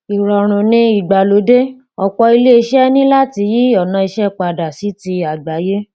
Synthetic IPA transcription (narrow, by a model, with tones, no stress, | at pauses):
i˨ɾɔ˨ɾ̃ũ˨nĩ˧i˦˨ɡ͡ba˨lo˨˦de˦ | ɔ˨k͡pɔ˧i˧le˦i˧ʃɛ˦nĩ˦la˦ti˧˦ji˦ɔ˦˨nã˧i˧ʃɛ˦˨k͡pa˧˨da˨si˨˦ti˧a˨ɡ͡ba˨˦je˦